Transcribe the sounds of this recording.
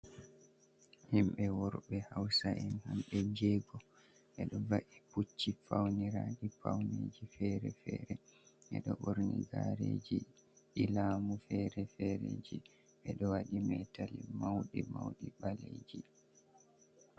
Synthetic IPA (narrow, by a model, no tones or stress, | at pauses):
himɓɛwɔɾɓɛhawsaʔɛnhamɓɛd͡ʒeːɡɔ | ʔɛɗɔvaʔiput͡ʃːifawniɾaːɗifawned͡ʒifɛɾɛfɛɾɛʔɛ̰ɗɔɓoɾniɡaɾed͡ʒiʔilamufɛɾɛfɛɾed͡ʒi | ʔɛɗɔwaɗimɛtalimawɗimawɗiɓaled͡ʒi